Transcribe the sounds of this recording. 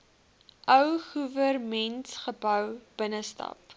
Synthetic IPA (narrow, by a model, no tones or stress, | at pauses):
ʔœwχuvərmɛntχəbœwb̥ənəstɐ̰p